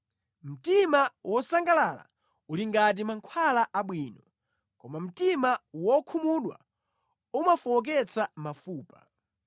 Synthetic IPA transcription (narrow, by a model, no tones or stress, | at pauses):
m̩timawʔɔsaŋɡalala̰ | uliŋɡat̬imaŋkʰwalaʔaɓwiːnɔ | kɔmam̩timawɔkʰumuɗwa̰ | umafɔɔk̬ɛt͡samafuːpa